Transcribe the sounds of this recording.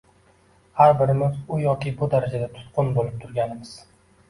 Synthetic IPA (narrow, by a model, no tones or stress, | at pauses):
haɾbɪɾɪmɪzʊjɒkʲɪbʊd̪aɾad͡ʒad̪at̪ʰʊ̥t̪̚qʰʊnbolɪp̚t̪ʰʊɾɡʲanɪmɪz̥